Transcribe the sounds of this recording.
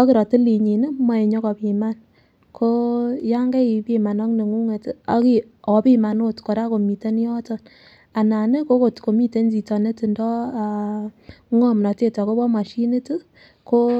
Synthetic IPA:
ɔ˦ki˦ɾɔ˨ti˦li˨ɲi˨nɛ˦ma˦e˨ɲɔ˦kɔ˨pi˨ma˦n | kʰo˦ja˦ŋɡɛ˦i˨pi˨ma˨nɔ˦kne˨ŋu˦ŋe˨ta˦ki˨ | ɔ˨pi˦ma˨no˦tkɔ˨ɾa˦ko˨mi˨te˦n˦jɔ˦tɔ˦n | a˨na˨ne˦ko˦ko˨tko˨mi˦te˦nd͡ʒi˨tɔ˨ne˦ti˨ndɔ˦˨ | ŋɔ˦mnɔ˨te˦tɔ˨ko˦bɔ˦ma˨ʃi˦ne˦tɨ˦ | ko˦

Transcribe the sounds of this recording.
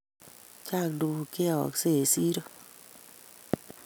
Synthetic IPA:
t͡ʃa˦˨kndu˨ke˦˨ɔ̰˨kse˦˨si˦ɾo˦

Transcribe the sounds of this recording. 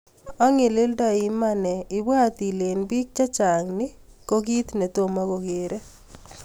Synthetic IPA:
ɔ˦ŋɪ˨lɪ˦ldɔ˦ɪ˨˦ma˦nɛ˨ɪ˨bwa˦t̪i˨le˨nbi˦k̚t͡ʃa˦t͡ʃa˨ŋnɪ˦ko˦ɡi˦t̪nɛ˨t̪o˦˨ma˦ko˨ɡe˨ɾe˦

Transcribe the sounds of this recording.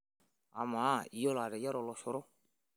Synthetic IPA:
a̰˨ma˨˦˨i˨jɔ˦la˨ɾɛ˨ja˦ɾɔ˨lɔ˨ʃɔ˦ɾɔ˦

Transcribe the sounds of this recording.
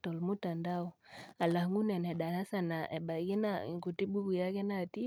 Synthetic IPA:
tɔ˨lmu˦ta˨nda˦u˨a˨la˨hŋɡu˦nɛ˨nɛ˨ɗa˨na˦sa˨na˨ʔɛ˨ɓa˨ɡi˦naɡu˨ti˦ɓu˦ku˨ja˦kɛ˦na˨ti˦

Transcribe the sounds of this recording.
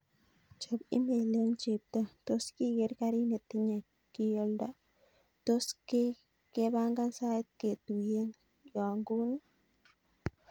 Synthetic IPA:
t͡ʃo˨bḭ˦mbe˨le˦nt͡ʃe˨b̚t̪a˦t̪o˦ski˦ɡe˧˦ɾka˦ɾi˦ne˨t̪i˦ɲa˨ | ki˧jo˧ld̪a˦ | t̪o˦ske˦ | ke˦ba˦ŋɡa˦nsa˦t̪̚ke˨t̪u˨je˦n | ja˨ŋɡu˦na˦

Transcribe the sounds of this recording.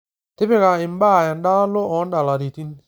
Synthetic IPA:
tɪ˦bɪ˦ka˨ɪ˨m˦ba˦˨ɛ˨n˦da˦lo˦ɔ˨˦nda˨la˨ɾi˨ti˦n˦

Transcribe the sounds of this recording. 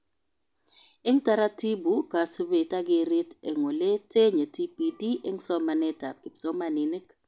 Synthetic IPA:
ɪ˦ŋta˦ɾa˦ti˦bu˨ka˨su˦be˨ta˦ɡɪ˨˦ɾɪ˦te˨ŋo˨le˦tʰe˦ɲe˨ti˦pi˦di˦ʔe˦ŋsɔ˦ma˨nɛ˦ta˨p̚kɪ˨psɔ˦ma˨nɪ˨nɪ˦k

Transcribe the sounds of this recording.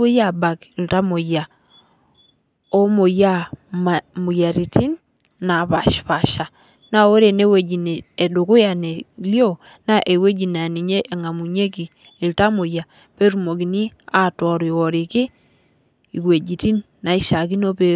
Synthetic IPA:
o˦ja˦˨ba˨kɪ˨lta˦mo˨ja˨ | o˦mo˨ja˦ma˨mu˨ja˨ɾi˨ti˦nː | a˨βa˨ʃpa˨ʃa˨ | na˦o˦ɾe˨ne˦we˨d͡ʒi˨ne˨e˨dʊ˨kʊ˦ja˨ne˨ljo˦ | na˦ʔe˨we˦d͡ʒi˨na˨ni˨ɲe˦ʔe˨ŋa˨mu˨ɲe˦ki˨ | ɪ˨lta˦mo˨ja˨ | pe˦ɾu˨mo˨ki˨ni˦a˦tɔ˨ɾi˨wɔ˨ɾi˨kɪ˦ | i˨kwe˨d͡ʒi˨ti˦nːa˨i˦ʃa˨ki˦no˦pe˦

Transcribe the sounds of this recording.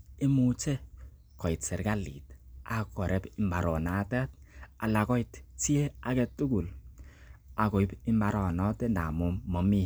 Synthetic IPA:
ɪ˦mu˦t͡ʃe˦ | kɔ˨ɪ˨tsɛ˨ɾka˦lḭ˨ta˨kɔ˨ɾɛ˦pɪ˨mba˨ɾɔ˨na˨˦ta˦t̚a˨la˨kɔ˦i˨tti˦e˦a˨˦kɛ˨tu˦ɡu˨l | a˨ko˨i˦bɪ˦mba˨ɾɔ˨nɔ˦tɛ˦na˨mo˦mɔ˨mi˦

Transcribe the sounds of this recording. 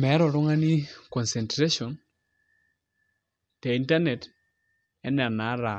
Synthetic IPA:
mɛ˨˦ɾɔ˨ɾʊ˦ŋa˦ni˦kɔ˨nsɛ˨ntɾe˦ʃɔ˨n | tɛ˨i˨nta˦nɛ˨t | ɛ˦nɛ˨ɾna˨˦ɾa˨

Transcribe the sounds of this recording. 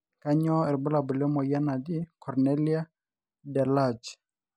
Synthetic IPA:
ka˦ɲɔ˦ɛ˨ɾbʊ˦la˨bʊ˨lɛ˦mɔ˨ja˦na˨d̪i˦kɔ˨ɾnɛ˦li˦a˦ | dɛ˨la˦˨d͡ʒ

